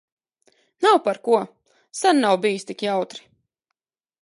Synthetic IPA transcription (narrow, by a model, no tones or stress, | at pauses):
nawpaɾkuɔ | sanːawbijist̪ikjawt̪ɾi̥